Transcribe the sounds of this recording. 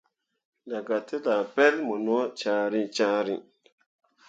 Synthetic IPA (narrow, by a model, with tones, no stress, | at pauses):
la˨ɡa˨te˦la˨pe˦lmo˨no˦t͡ʃa˨ɾi˦t͡ʃaː˦ɾi˦˨